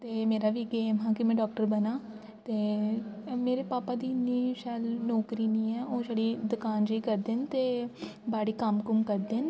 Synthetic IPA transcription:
t̪eːmeːɾaːʋiːɡeːmɦãːkɪmɛ̃ːɖɔːkʈəɾbənaː | t̪eː | meːɾeːpaːpaːd̪iːniːʃʰɛːlnɔːkɾiːnĩːɛːoːʃɛɽiːd̪ʊkaːnd͡ʒiːkəɾd̪eːnt̪eːbaːɽiːkəmkʊmkəɾd̪eːn

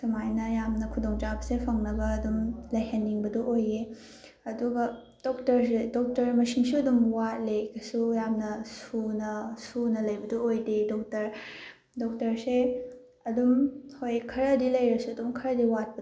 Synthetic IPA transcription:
sɐmajnɐjamnɐkʰudoŋt͡ʃabɐsepʰɐŋnɐɡɐːdumlɐjɦɐnːiŋbɐdɔʔoje | ɐduɡɐ | dɔk̚tɐɾs̬edɔk̚tɐɾmɐsinsuɐdumwat̚lekɐsujamnɐsunɐsunɐlɐjbɐdoojdedɔk̚tɐɾ | dɔk̚tɐɾse | ɐdumhojkʰɐɾɐdilɐjɾɐsuɐdumkʰɐɾɐdiwat̚pɐ

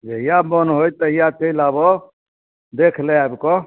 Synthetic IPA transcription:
d͡ʒeijabɔnɦojt̪əjat̪elabɔ | d̪ekʰleabkɔ

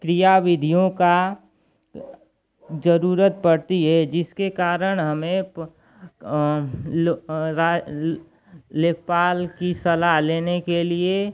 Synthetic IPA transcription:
kɾijaʋɪd̪ʱijõka | d͡ʒəɾuːɾət̪̚pəɽt̪iɦɛd͡ʒɪskekaːɾəɽ̃ɦɐmẽ | ɾa | leːkpaːlkisɐlaɦleːnekelie

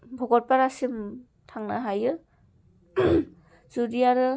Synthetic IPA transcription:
bʱɔɡɔt̚paɾasim | tʰaŋnaɦajɯ | z̥udijaɾɯ

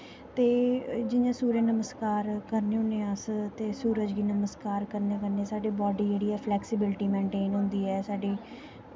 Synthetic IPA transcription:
t̪eːd͡ʒɪnãːsuːɾenəməskaːɾkəɾneːɦʊ̃nẽãst̪eːsuːɾəd͡ʒɡiːnəməskaːɾkəɾnẽkəɾneːsaːɖeːbɔːɖiːd͡ʒeːɽiːɛːpʰlɛːksɪbɪlɪʈiːmẽːɳʈeːnɦʊ̃ːnd̪iːɛːsaːɖeː

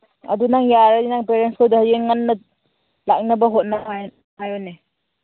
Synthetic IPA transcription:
ɐ̰dunaŋjaɾadinaŋpeɾenskʰodahajeŋanːɐ | lak̚nɐbɐɦot̚naa | ɦajone

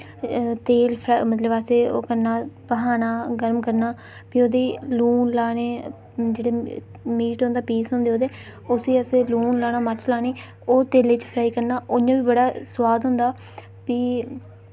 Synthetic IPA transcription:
t̪eːlpʰɾamət̪ləbəseːo̰ːkəɾnaːpəɦaːnaːɡəɾmkəɾnaː | piːoːd̪eːluːnlaːɽeː | d͡ʒeːɽeː | miːʈɦõnd̪aːpiːsɦõːnd̪eːoːd̪eː | ʊsiːəseːluːnlaːñaːməɾt͡ʃlaːneː | oːt̪eːleːt͡ʃpʰɾaːiːkəɾnaːʔoːɲãːʋiːbəɽaːswaːd̪ɦõːnd̪aː | piː

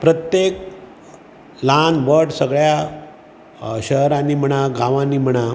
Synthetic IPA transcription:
pɾət̪jek̚ | lanʋəʈsəɡɭja | ɕəɦɾaniːm̤əɽ̃aɡãʋãnim̤əɽ̃a

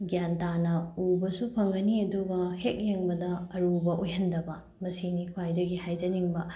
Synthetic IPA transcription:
ɡjantanɐubɐsupʰɐŋɡɐniɐduɡɐhek̚jeŋbɐdɐːɾubɐʔojɦɐndɐbɐ | mɐsinikʰwajdɐɡihajd͡ʒɐniŋbɐ

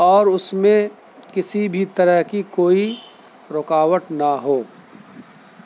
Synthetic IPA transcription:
ɔːɾʊsmẽ | kɪsibʱit̪ɐɾəɦkikoːi | ɾʊkaːwəʈnaɦoː

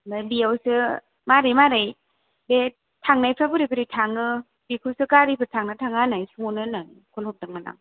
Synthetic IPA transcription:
nabiawsɯ | maɾajmaɾaj | be | tʰaŋnajpʰɾabɯɾipʰɯɾitʰaŋnɯ | bikʰɯsɯkaɾipʰɯɾtʰaŋnɯtʰaŋanajsuŋonɯnajkʰɔlhɔp̚daŋmana̰ŋ

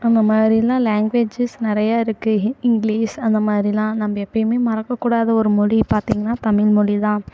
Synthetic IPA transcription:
ɐnd̪ɐmaːd̪ɾɪlãːlaːŋɡʋeːd͡ʒɪsnɪɾɐjaːɪɾɯkːɯɪŋɡliːsɐnd̪ɐmaːd̪ɾilãːnɐmːɐɛpːɐjɯmeːmɐɾɐkːɐkːuːɽaːðɐɔɾɯmɔɻipaːɾt̪iːŋɡɐnːaːt̪ɐmɪlmɔɻit̪ãː

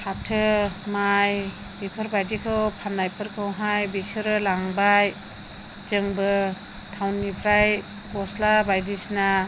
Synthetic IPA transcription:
kʰatʰɯmaj | bipʰɯɾbajdikʰɯwpʰanːajpʰɯɾkʰɯwɦajbisɯɾɯlaŋbaj | d͡ʒɯŋbɯ | tʰawnːipʰɾaj | ɡɔslabajdisna

